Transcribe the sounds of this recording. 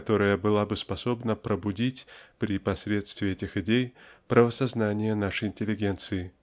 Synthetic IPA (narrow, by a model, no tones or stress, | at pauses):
t̪o̞ɾəjəbɨlˠabɨspɐso̞bnəpɾəbʊdʲitʲpɾʲipɐsʲɾʲe̞t̪st̪vʲɪɛtʲɪxɪdʲejpɾʔəvəsɐznanʲɪjənaʂəjɪnʲtʲɪlʲːɪɡʲe̞nt̪sɨɪ